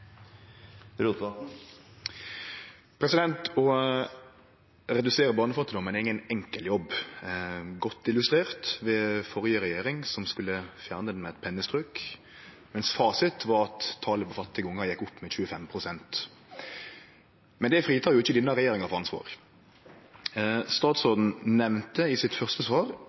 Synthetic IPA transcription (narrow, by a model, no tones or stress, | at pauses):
pʰɾɛsɪd̪ɛnt̪ɔ | ɾɛd̪ʉseːʁəbɑːnəfɑt̪ːɪd̪ɔmənɪŋənɛŋkəljɔbː | ɡɔt̪ːɪlʉst̪ʁeːʁt̪ʋɛfɔʁjəʁɛjeːɾɪŋsɔmskʉlːəfjæːʁnəd̪ɛnmɛɛt̪̚pʰɛnːəst̪ʁʉk | mɛnsfɑːsɪt̪ʰʋɑːɾʁɑt̪ʰːɑːləpʰɔfɑt̪ːɪɡəʊŋːəjɛkːʊpːmɛçʉːəfɛmpʰʁʊsɛnt̪ | mɛnd̪ɛfɾʁiːt̪ʰɑːjʊɪçːəd̪ɪnːɑʁɛjeːɾɪŋɑfɔʁɑnsʋɑ̰ːʁ | st̪ɑːt̪soːd̪n̩nɛʋnt̪əɪsɪt̪fœʁst̪əsʋɑːʁ